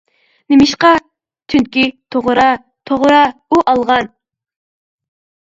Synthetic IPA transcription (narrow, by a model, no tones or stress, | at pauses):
nɪmɪʃqɑ | t̪ʰynkʲit̪ʰoʁɾɑ | t̪ʰoʁɾɑuʔɑlˠʁɑn